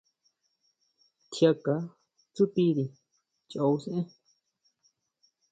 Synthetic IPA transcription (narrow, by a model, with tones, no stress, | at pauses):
t̪ʰja˧ka˨ | t͡su˦t̪i˦ɾi˧ | t͡ʃa˨u˧˦se˦ʔẽ˦